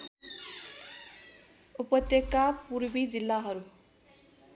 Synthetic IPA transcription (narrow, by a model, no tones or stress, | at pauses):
upʌt̪jekːapuɾbid͡zilːaɦʌɾu